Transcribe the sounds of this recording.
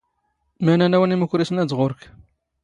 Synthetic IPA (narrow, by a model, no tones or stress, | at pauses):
mænænæwəniməkʷːɾisənæzʁʊɾk